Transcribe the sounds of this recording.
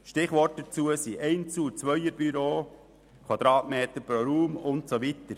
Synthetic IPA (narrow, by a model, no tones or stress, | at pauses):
ʃtɪχʋɔrt̚d̥ət͡suəsiʔɛɪnt͡suːt͡sʋœjəɾb̥yɾoː | kʰwɑd̪̥ɾɑːtmeːt̪əɾpɾoɾuːmʊntsoʋit̪əɾ